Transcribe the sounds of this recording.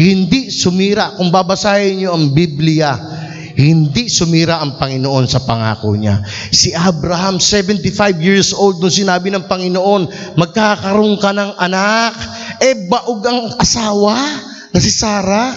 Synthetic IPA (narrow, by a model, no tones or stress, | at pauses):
hɪnd̪isʊmiːɾaʔkʊŋbabɐsaːjɐɲoɐŋbiblɪja | hɪnd̪isʊmiːɾaʔɐŋpɐŋɪnoʔo̞nsɐpɐŋa̰ːko̰ɲa̰ | sɪʔabɾɐhamsɛvɛnt̪ɪfajvjiɹsʔowld̪̚ːʊnsɪnaːbɪnɐŋpɐŋɪnoʔo̞nmɐɡ̚kakɐɾoŋkɐnɐŋʔɐnak̚ | ʔɛbɐʔoɡɐŋʔɐsaːwa | nɐsɪsaːɾa